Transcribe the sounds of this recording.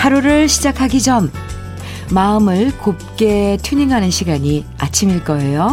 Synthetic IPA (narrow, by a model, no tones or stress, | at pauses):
haɾuɾɯɭɕʰid͡ʑakʰaɡid͡ʑʌmː | aɯmɯɭkop̚k͈e̞tʰjuɲiŋɦanɯnɕʰiɡaɲia̰t͡ɕʰimiɭk͈ʌe̞jo